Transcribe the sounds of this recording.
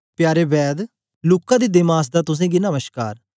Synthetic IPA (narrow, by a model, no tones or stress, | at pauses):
pjaːɾeːbɛːd̪ | luːkːãːd̪iːd̪ɪmaːs̬d̪aːt̪ʊs̬ẽːɡinəməʃka̰ːɾ